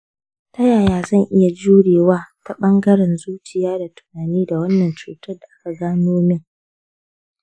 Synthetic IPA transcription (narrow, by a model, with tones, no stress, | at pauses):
tɐ˦jaː˨jaː˦zɐ˦˨ŋʔɪ˦ja˨d͡ʒuː˦ɽeː˨waː˦ta˨ɓɐ˦ŋɡɐ˦ɽɛ˨nzuː˦t͡ʃɪ˨jaː˦da˨tʊ̥˨naː˨niː˦da˨wɐ˦nːɐ˨nt͡ʃṵː˨tɐ˦rda˨ʔa˦ka˨ɡaː˦noː˦mɪ˦˨ŋ